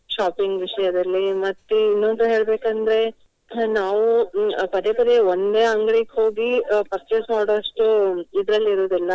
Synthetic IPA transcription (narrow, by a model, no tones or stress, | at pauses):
ʃaːpiŋɡʋiʂɐjɐd̪ɐlːimɐt̪ːeinːond̪uɦe̞ːɭbeːkɐnd̪ɾe̞ | naːʋupɐd̪epɐd̪eond̪eːɐŋɡɭikho̞ːɡipɐɾt͡ʃesmaːɽoʂʈuid̪ɾɐlːiɾoːd̪ɛlːɐ